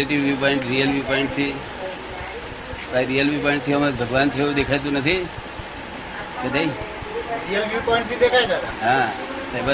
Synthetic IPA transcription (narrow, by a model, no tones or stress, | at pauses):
eʈɪʋːjupɔɪ̃ɳʈɾijəlʋjupɔɪ̃ɳʈ̚t̪ʰi | paiɾijəlʋjupɔ̃ɪ̃ɳʈ̚t̪ʰiɦəmabʱəɡʋaːnt͡ʃʰeũd̪ekʰajt̪̬ũnət̪ʰi | kəɖai | ɾijəlʋjupɔɪ̃ɳʈ̚t̪ʰid̪ekʰajd͡ʒad̪aɦã | tajbə